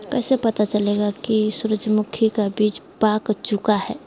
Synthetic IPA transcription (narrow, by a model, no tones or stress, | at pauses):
kɛːsepət̪at͡ʃəleɡakisuɾəd͡ʒmʊkʰikabiːt͡ʃbakt͡ʃukaɦɛː